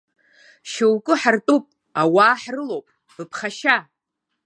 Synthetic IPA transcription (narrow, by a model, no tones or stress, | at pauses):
ʃewkʼɨħartʼupʼ | awaːħrɨlowpʼ | b̥ɨpʰχaʃa